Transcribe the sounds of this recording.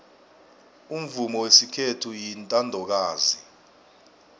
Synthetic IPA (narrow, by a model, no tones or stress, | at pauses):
um̩vumɔwesikʰetʰujintʼandʱɔk̬aːzi